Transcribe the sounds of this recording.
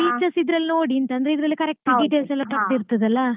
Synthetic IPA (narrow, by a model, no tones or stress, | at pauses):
biːt͡ʃːɐsid̪ɾɐlːnoːɽiɐnt̪ɐnd̪ɾeid̪ɪɾɐlːikɐɾɛk̚ʈɐɡiʈesɐlːɐpɐt̪ːiɾɯt̪ːɐðɐlːɐ